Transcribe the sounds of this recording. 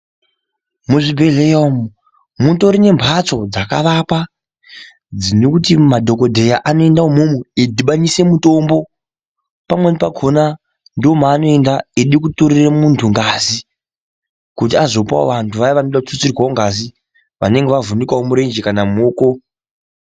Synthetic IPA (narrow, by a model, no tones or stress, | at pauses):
muʐibʱe̞ɮejomu | munto̞ɾine̞mbʱat͡so̞d͡zaka̰ʋapa | d͡zinekutimadʱo̞ko̞dʱe̞jaʔano̞e̞ndaumumeidʱiɓaɲise̞muto̞mbo̞ | pamwe̞nepaɡʰʱona | ndomaːno̞e̞ndaeɗikutoɾiramuntʰuŋɡazi | kut̬iazo̞pa̰ʋantʰuʋajiʋanoɗakuut͡sirwaoŋɡazi | ʋa̰ne̞ŋɡeʋavunikwaomuɾe̞nd͡ʒekanamoːko